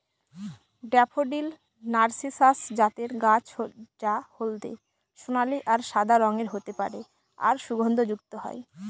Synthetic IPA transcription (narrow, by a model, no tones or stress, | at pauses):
ɖɛpʰoɖil | naɾsisasd͡ʑat̪eɾɡat͡ɕod͡ʑahold̪ḛ | ʃunaliʔaɾʃad̪ʱaɾɔŋeɾɦot̪epaɾe | a̰ɾʃuɡʱond̪ʱod͡ʑukt̪oɦɔ̰e